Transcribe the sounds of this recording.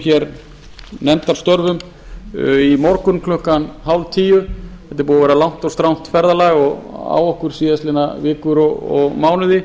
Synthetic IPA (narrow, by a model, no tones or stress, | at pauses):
çɛɾ | nɛm̥t̪aɾ̥st̪œɾvʏm | imɔɾkʏnkʰlʏhkanhawlt̪ʰiːjʏθɛht̪ɪɾpuːðavɛɾalawn̥t̪ɔst̪ɾawn̥t̪fɛɾðalajɣɔɣa̰wɔhkʏɾ̥siːðast̪lɪnːavɪːkʏɾɔɣɔɣmaːwnʏðɪ